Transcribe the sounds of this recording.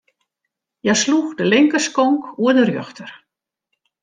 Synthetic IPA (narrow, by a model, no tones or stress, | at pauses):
jajsluxdəlɪŋkəskɔŋkuədərjøxtər